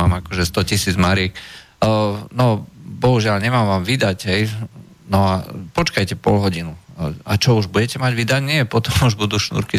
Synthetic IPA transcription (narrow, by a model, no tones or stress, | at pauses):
aːmakɔʒɛst̪ɔcisiːd͡zmaɾɪɛk | nɔbɔɦuʒɪalɲɛmaːmʋaːmʋid̪aɟɦɛj | nɔapɔt͡ʃkajcɛpɔlɦɔɟinuat͡ʃɔuʒbuɟɛcɛmaɟʋid̪aɟɲɪɛɛpɔt̪ɔmuʒbud̪uːʃnṵɾki